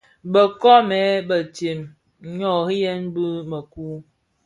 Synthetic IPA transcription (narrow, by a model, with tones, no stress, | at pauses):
bə˨kɔ˦mɛ˨˦bə˨te˨m | ɲɔ˦˨hi˦jɛ˦nbɨ˦mə˨ku˦